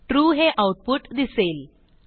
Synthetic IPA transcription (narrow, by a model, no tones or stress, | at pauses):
ʈɾuːɦeʔawʈ̚puʈd̪isel